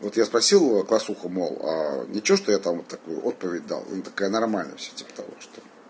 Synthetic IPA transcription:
vo̞t̪jaspɾɐsʲilˠəklˠɐsuxəmo̰lˠa̰nʲɪt͡ɕɪoʂt̪ojat̪amvot̪ːɐkujʊ̰ʔo̞t̪̚pəvʲɪdʲd̪a̰lˠɛ̰nt̪ɐ̥kajənɐrmalʲnə̰jfsʲɵ̥tʲi̥pə̥t̪ɐvo̞̰ʂt̪o

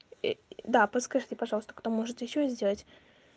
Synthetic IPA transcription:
d̪apəskɐʐɨtʲɪpɐʐɑlˠəst̪ə̥kt̪omo̞ʐɨt̪jɪɕːozʲdʲe̞lˠətʲ

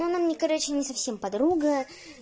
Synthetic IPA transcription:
onamnʲɪkɐɾat͡ɕɪnʲɪsɐfsʲe̞mpɐd̪ɾuɡə

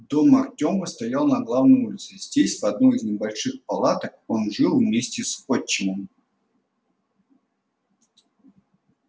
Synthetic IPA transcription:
d̪omɐrtʲoməst̪ɐjalˠnɐɡlˠavnəjulʲt̪sɨzʲdʲesʲvɐd̪̚nuizʲnʲɪbɐlʲʂɨxpɐlˠat̪əko̞nʐɨlˠvmʲesʲtʲɪsot͡ɕːɪnəm

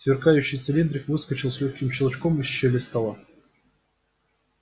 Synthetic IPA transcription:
svʲɪrkajʉɕːɪjt̪sɨlʲind̪ɾʲɪkvɨskət͡ɕɪlˠsʲlʲɵxʲkʲɪmɕɪlˠt͡ɕkomɨɕːɛlʲɪst̪ɐlˠa

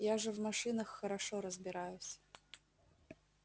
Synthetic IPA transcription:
jaʐɛvmaʂɨnəxːɐɾaʂɔɾəzbʲɪɾajʊsʲ

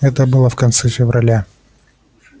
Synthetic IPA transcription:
ɛt̪əbɨlˠəfkɐnt̪sɛfʲɪvɾʔɐlʲa

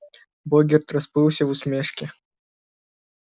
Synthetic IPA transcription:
bɔɡʲɛrt̪rɐspɨwsʲɐvʊsmʲeʂkʲɪ

